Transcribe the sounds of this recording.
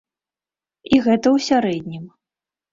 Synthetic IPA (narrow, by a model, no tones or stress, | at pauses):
iɣɛt̪ɐwsʲaɾɛd̪ʲnʲim